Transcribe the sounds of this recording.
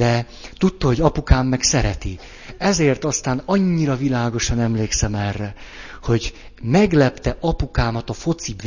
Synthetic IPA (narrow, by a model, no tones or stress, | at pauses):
ɛ | t̪ut̪ːɒɦo̞ɟɒpukaːmːɛksɛɾɛt̪i | ɛzeːrt̪ɒst̪aːnɒɲːiɾɒvilaːɡo̞ʃɒnɛmleːksɛmɛrːɛ | ho̞ɟ | mɛɡlɛpt̪ɛʔɒpukaːmɒt̪ɒfo̞t̪sib